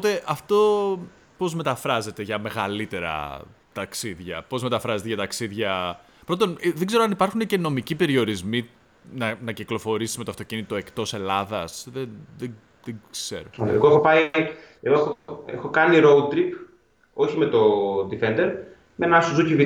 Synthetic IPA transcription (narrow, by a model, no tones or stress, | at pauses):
pot̪e̞ʔɐft̪o̞ | po̞zme̞t̪ɐfɾɐze̞t̪e̞ʝɐme̞ɣɐlit̪e̞ɾɐ̰ | t̪ɐksiðʝɐ̰po̞zme̞t̪ɐfɾɐze̞t̪eʝɐt̪ɐksiðʝɐ | pɾo̞t̪onðeɡze̞ɾoɐnipɐɾxune̞ce̞no̞micipe̞ɾio̞ɾizmi | nɐnɐciklo̞fo̞ɾisi̥zme̞t̪oɐft̪o̞cinit̪o̞ekt̪o̞se̞lɐðɐsðenðe | ðekze̞̰ɾoɐ̰eɣoexopɐi | eɣoexoḛxokɐniɾout̪ɾip | o̞çimet̪o̞d̪ifend̪e̞ɾ | menɐsuzucivi